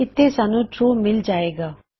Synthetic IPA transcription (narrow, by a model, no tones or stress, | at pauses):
ɪt̪ʰːeːsaːnũːʈɾuːmɪld͡ʒaːeːɡaː